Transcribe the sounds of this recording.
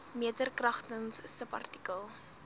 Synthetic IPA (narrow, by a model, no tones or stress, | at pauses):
miətərkrɐχtənssəpɐ̰rti̥kəlˠ